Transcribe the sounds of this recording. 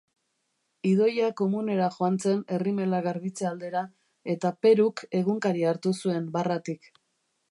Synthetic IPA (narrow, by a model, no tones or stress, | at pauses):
iðo̞jako̞mune̞ɾaxoant͡se̞ne̞rime̞laɣaɾβit͡seald̪e̞ɾa | e̞t̪ape̞ɾuke̞ɣuŋkaɾiaɾt̪usue̞mbarat̪ik